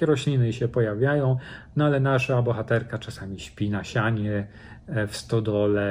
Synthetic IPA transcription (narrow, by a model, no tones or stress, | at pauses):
akʲɛɾɔɕlʲinɘɕɛpɔjavʲjajɔ̃w̃nɔalɛnaʂabɔxat̪ɛɾkat͡ʂasamʲiɕpʲinaɕaɲɛ | fst̪ɔd̪ɔlɛ